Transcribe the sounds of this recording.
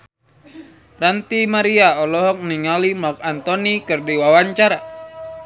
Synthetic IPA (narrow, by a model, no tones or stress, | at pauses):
rant̪imaɾiaɔlɔɦɔk̚niŋalimɔk̚ant̪ɔnikɨrdiwawaɲt͡ʃaɾa